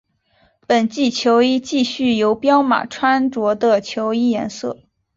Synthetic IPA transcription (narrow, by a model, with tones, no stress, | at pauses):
pə˨˩nt͡ɕi˥˩t͡ɕʰjo˧˥ʊi˥t͡ɕi˥˧ɕy˥˩jo˧˥ʊpjɑ˥ʊma̰˨˩ʈ͡ʂʰwa˥nʈ͡ʂwɔ˧˥d̪ə˧t͡ɕʰjo˧˥ʊi˥jɛ˧˥nsɤ̰˥˩